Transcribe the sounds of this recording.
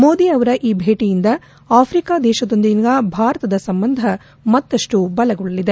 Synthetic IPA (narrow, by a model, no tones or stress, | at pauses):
moːd̪iɐʋɐɾɐʔiːbʱeːʈijind̪ɐ | aːpʰɾikaːd̪ɛːʃɐd̪o̞nd̪inɡ̪ɐbʱaːɾɐt̪ɐd̪ɐsɐmbɐnd̪ʱɐ | mɐt̪ːɐʂʈubɐlɐɡɔɭɐlid̪e̞